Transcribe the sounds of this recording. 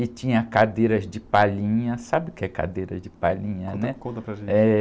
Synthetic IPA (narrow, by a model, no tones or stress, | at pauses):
ɪt͡ʃĩɲɐkad̪eɾɐzd͡ʒɪpalĩɲɐsabɪkɪɛka̰d̪eɾɐzd͡ʒɪpalĩɲɐ̃nɛkõt̪ɐpɾɐʒẽɛ